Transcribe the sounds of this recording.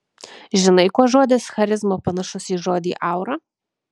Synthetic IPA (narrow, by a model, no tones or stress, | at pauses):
ʒʲɪnɐɪkuɔʒoːd̪ʲɪsxɐɾʲɪzmoːpɐnɐʃʊsiːʒoːd̪ʲiːʔɐˑʊɾɐ